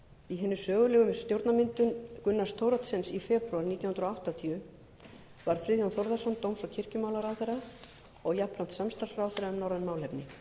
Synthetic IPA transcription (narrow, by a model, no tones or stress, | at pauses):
iɦɛːnːʏsœːɣʏlɛːɣʏmst̪jowɾt̪namɪnt̪ʏnkʏnːast̪ʰowɾɔt̪sɛnsifɛːpɾʏaɾniːt̪jahʏnɾɔawht̪at̪ʰiʏ | vaɾ̥fɾɪðjɔnθowɾðasɔnt̪owmsɔcʰɪr̥cʏmaːwlaɾaθɛjɾa | ɔɣjaplan̥t̪samst̪ar̥sfɾaːwθɛɾaʏmnɔwɾanmaːwlɛpnɪ